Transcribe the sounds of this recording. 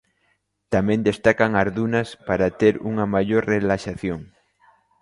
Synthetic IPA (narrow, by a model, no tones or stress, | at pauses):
t̪amẽnd̪est̪akaŋaɾðunɐspaɾat̪eɾṵŋɐmaʎoɾrelaʃaθjoŋ